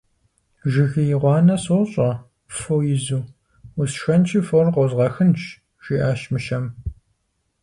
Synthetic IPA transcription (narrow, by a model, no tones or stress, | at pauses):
ʒɪɣɨjɪʁʷɑːnɐsoɕʼɐ | fowjɪzuː | usʃɐnt͡ʃʰiːforqʷɔzʁɐxɨnt͡ʃ | ʒ̥iːʔaːʃmɨʃɐm